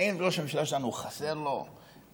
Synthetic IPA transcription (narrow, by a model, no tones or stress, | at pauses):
invelo̞ʃemiʃalaʃelanuχaseʁlo̞̰